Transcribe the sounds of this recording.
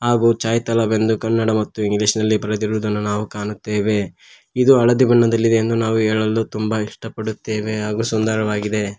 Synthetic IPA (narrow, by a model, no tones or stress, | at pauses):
ɦaːɡuːt͡ʃaːjt̪ɐlɐbe̞nd̪ukɐnːɐɽɐmɐt̪ːuiŋɡliːʂnɐlːibɐɾɐd̪iɾʋud̪ɐnːunaːʋukaːnut̪ːeːʋe̞ | id̪uɐɭɐd̪ibɐɳːɐd̪ɐlːid̪eend̪unaːʋuɦeːɭɐlːut̪umbɐiʂʈɐpɐɽut̪ːeːʋe̞ɦaːɡuːsund̪ɐɾɐʋaːɡid̪e̞